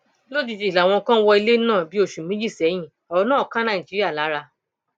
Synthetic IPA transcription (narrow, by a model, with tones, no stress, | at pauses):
lo˦d͡ʒi˧˨d͡ʒi˧˨la˨w̃ɔ̃˧kã˦wɔ˧i˧le˦nãː˦˨bi˦o˦˨ʃũ˨mĩ˦d͡ʒi˦˨sɛ˨˦j̃ĩ˦˨ | ɔ˨˧ɔ˧nãː˦ɔ˨kã˦nã˦˨i˨d͡ʒi˨˦ɾi˦a˦˨la˨˦ɾa˧